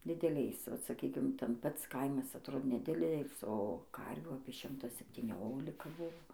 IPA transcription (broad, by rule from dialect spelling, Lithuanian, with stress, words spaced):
dʲɪdʲɛˈlʲɛɪs ʋɐt sɐˈkʲiːkʲɪm tʲɛn ˈpɐts ˈkɐɪmɐs ɐtˈroːdʲeː nʲɛˈdʲɪlʲeːlʲɪs oː ˈkɐrʲʋʲuː ɐpʲiɛ ˈʃʲɪmtɐ sʲɛpʲtʲiːˈnʲoːlʲɪkɐ ˈbʊʋoː